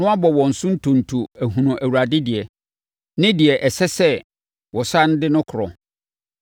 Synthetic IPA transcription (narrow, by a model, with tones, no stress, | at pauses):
nʊ̃˦a˦bɔ˨wɔ̃˨n̩˨sʊ̃˦n̩˦tʰʊ̃˨n̩˨tʰu˨æ˨ɦũ˨nʊ̃˨ʔæ˨wu˨ɾa˨dɪ˦dɪ˨ɛ˨ | nɪ̃˦dɪ˨ɛ˨ʔɛ˨sɛ˦sɛ˦ | wɔ˨sã˦n̩˦dɪ˦nʊ̃˦kʰʊ˨ɾɔ̰˨